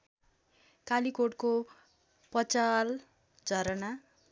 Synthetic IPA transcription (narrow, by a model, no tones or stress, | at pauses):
kalikoʈko | pʌt͡sal | d͡zʱʌɾʌna